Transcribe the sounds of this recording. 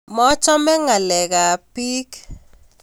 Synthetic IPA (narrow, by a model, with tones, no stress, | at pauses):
mɔ˦t͡ʃɔ˦mɛ˦ŋa˨lɛ˨ɡa˨pi˦k